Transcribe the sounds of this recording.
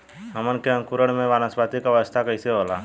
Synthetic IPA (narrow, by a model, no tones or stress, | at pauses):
ɦəmənkeə̃ŋkuɾəɽ̃mẽʋaːnəsbaːt̪ikaʋəst̪ʰakɐiseɦoːlaː